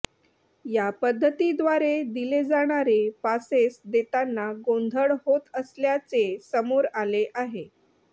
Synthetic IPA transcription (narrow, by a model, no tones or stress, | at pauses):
japəd̪ʱːət̪id̪ʋaɾed̪iled͡zaɽ̃aɾepasesd̪et̪anːaɡond̪ʱəɭɦot̪əsljat͡sesəmoɾaleʔaɦe